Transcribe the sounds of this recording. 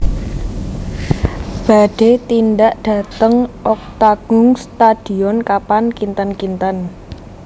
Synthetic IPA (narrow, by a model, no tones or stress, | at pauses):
b̥a̤ɖ̥et̪indaʔɖ̥a̤t̪əŋʔɔk̚t̪aɡ̥ʊŋst̪ad̥i̤ɔnkapankint̪ankint̪an